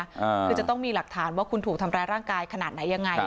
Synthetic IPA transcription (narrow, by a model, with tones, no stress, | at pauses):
ɯː˧t͡ɕa˨˩t̪ɔ˥˩ŋmiː˧la˨˩k̚t̪ʰaː˩˦nwaː˥˩kʰu˧nt̪ʰu˨˩k̚t̪ʰa˧mɾaː˧jɾaː˥˩ŋkaː˧jkʰnaː˨˩t̪̚na˩˦jːa˧ŋːa˧